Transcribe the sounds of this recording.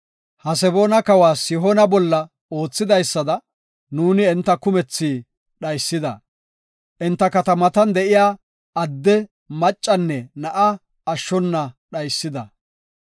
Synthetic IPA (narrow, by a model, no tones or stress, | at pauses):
hɐs̬ɛboːnɐkɐwaːsjɪɦonɐbɔlːɐ | o̞ːt͡sːɪd̪ɐjsːɐd̪ɐ | nuːnɪɛnt̪ːɐkʊmɛt͡sːiː | ɗɐjsːɪd̪ɐ̰ | ʔɛnt̪ːɐkɐt̪ɐmɐt̪ɐnd̪ɛʔɪjaː | ɐd̪ːɛ | mɐt͡ʃʼːɐnːɛnɐʔɐː | ʃːɔnːɐɗɐjsːɪd̪ɐ̰